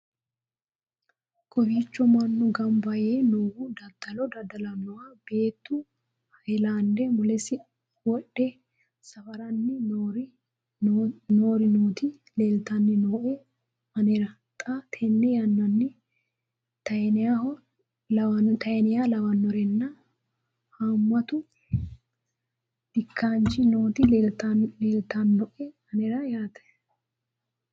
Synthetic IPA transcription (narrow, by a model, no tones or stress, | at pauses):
kʼɔfiːt͡ʃːɔmɐnːɔɡɐmbɐjenoːwud̪ɐd̪ɐlɔd̪ɐd̪ɐlɐnːɔwab̥e̞ːt̪ːʊ | hɐjlaːnd̪ɛmʊlɛsɪ | wɔɗːɛ | sɐfɐɾɐnːɪ | noːɾɪnoːt̪ɪ | leːlt̪ɐnːɪnoːʔɛ | ɐnɛɾɐ | t̪ʼɐt̪ʰɛnːɛjɐnːɐnːɪ | t̪ɐɛnɪjahɔ | lɐɐt̪ɐjɛnɪjalɐwɐnːɔɾɛnːɐ | haːmwɐt̪ʊ | d̪̥ɪkʰːaːnt͡ʃɪnoːt̪ɪlt̪aleːlt̪anːɔʔɛɐnɛɾɐjaːt̪ɛ̥